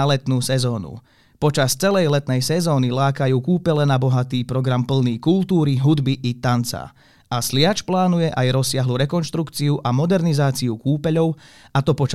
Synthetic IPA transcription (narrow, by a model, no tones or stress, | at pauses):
alɛt̪nuːsɛzɔːnṵ | pɔt͡ʃast͡sɛlɛjlɛt̪nɛjsɛzɔːnilaːkajuːkuːpɛlɛnabɔɦat̪iːpɾɔɡɾampl̩niːkult̪uːɾiɦud̪biʔit̪ant͡sa̰ | ʔaslɪat͡ʃplaːnujɛʔajɾɔsːɪaɦluɾɛkɔnʃt̪ɾukt͡siuʔamɔd̪ɛɾnizaːt͡siukuːpɛʎɔʊʔat̪ɔpɔt͡ʃ